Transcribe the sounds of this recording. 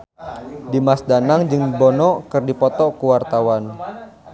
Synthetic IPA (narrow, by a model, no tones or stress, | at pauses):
dimasdanaŋd͡ʒɨŋbɔnɔkɨrdipɔt̪ɔkuwart̪awan